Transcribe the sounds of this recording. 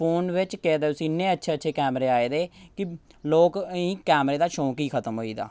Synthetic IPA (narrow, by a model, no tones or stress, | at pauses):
pʰoːnʋɪt͡ʃkɛːd̪eːʊsĩːnẽːətːʃʰeːətːʃʰeːkɛːmɾeːaːeːd̪eːkɪ | loːkĩːkɛːmɾeːd̪aːʃõːkiːkʰət̪əmɦoːḭːd̪a̰ː